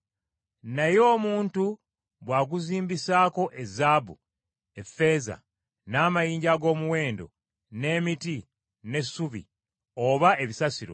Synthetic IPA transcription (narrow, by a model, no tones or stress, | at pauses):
najo̞ːmuːntu | βwaːɡuziːmbisaːko̞ʔezaːbṵ | e̞fːe̞ːza̰ | naːmajiːɲɟaɡo̞ːmuwe̞ːndo̞̰ | ne̞ːmiti | ne̞sːuβḭ | oβae̞βisasiɾo̞̰